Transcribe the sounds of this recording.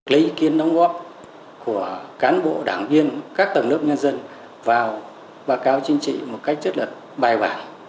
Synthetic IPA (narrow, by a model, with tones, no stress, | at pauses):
lḭ˧˦ki˨˦ənɗa˨˦wŋ͡mɣɔ˦˥p̚ | ku˧˩əkaː˨˦nɓo̰˧˨ɗaː˧˩ŋvi˧ənkaː˦˥k̚t̪ə˨˩wŋ͡mnɨ˦˥əp̚ɲə˧nzə˧n | vaː˨˩w | ɓaː˧kaː˨˦wt͡ɕï˧ŋ̟t͡ɕḭ˧˨mo˨˩t̚ka˦˥k̚zə˦˥t̚lə˨˩t̚ɓaː˨˧˩jɓaː˧˩n